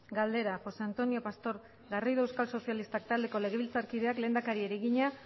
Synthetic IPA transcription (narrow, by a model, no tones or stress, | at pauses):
ɡald̪e̞ɾaxo̞se̞ant̪o̞nio̞past̪o̞ɾ | ɡariðoewskalso̞sialist̪ak̚t̪ald̪e̞ko̞le̞ɣ̞e̞βilt͡saɾkið̞e̞akle̞ːnd̪akaɾieɾeɣiɲa